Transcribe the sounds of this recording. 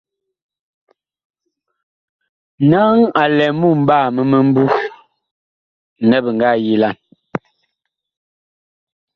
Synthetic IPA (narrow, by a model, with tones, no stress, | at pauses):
na˦ŋa˨lɛ˨mu˦˨m̩˨˦baː˦˨mə˨mə˦m̩˦bu˦˨ | nɛ˦bə˨ŋ˨ɡa˦˨ji˦la˦˨n